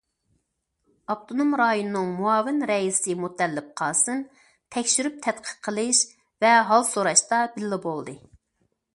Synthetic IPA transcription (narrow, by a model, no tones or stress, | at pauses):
ɑp̚t̪ʰonomɾɑjonɨːɨŋmuɑːvɪnɾɛisɪmut̪ʰːɛlːɪp̚qʰɑlˠsɨn | t̪ʰɛkʲʃyɾyp̚t̪ʰɛt̪qʰə̥qʰːəlˠɨʃ | vɛɦɑlˠsoɾɑʃt̪ɑbɪlːɪbolˠd̪ɨ